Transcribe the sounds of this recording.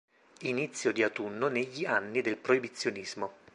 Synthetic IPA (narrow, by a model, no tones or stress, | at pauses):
init̪sːjod̪iat̪unːoneʎːianːid̪elpɾoibit̪sːjonizmo